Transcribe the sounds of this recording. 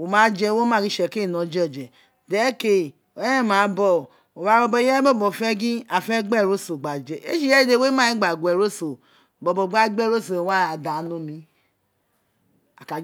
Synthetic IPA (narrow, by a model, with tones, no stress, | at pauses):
o˨ma˨˦d͡ʒɛ˦˨wo˦ma˦˨ɡi˦ʃɛ˨ke˦˨nɔ˨d͡ʒɛ˦˨d͡ʒɛ˨ | de˨˦ke˨ | o˨˦˨ma˨˦bɔ˦˨ | o˨wa˨˦o˦bɔ˦jɛ˦bɔ˦bɔ˨fɛ˦ɡi˦a˨fɛ˦ɡ͡bɛ˦˨ɾo˦so˨ɡ͡ba˨d͡ʒɛ˨ḛ˦ʃi˦ɛ˦de˨˦˨we˦ma˦i˦ɡ͡ba˨ɡʷɛ˨ɾo˦so˨ | bɔ˨bɔ˨ɡ͡ba˦ɡ͡bɛ˦˨ɾo˦so˨wa˦a˨da˨no˨˦mi˦ | a˨ka˨